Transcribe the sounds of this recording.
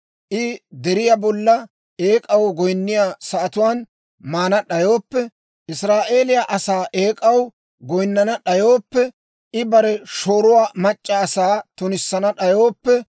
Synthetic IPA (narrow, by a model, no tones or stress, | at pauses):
ʔɪd̪ɛɾɪjabɔlːɐ | eːkʼɐwɡɔjnːɪjaːsɐʔɐt̪ʊwaːn | maːnɐɗɐjo̞ːpːɛ | ʔɪsɾaːʔe̞ːlɪjaʔɐsaːʔeːkʼɐw | ɡɔjnːɐnɐɗɐjo̞ːpːɛ | ʔɪbɐɾɛʃo̞ːɾʊwaːmɐt͡ʃʼːɐːsaːt̪ʊnɪsːɐnɐɗɐjo̞ːpːɛ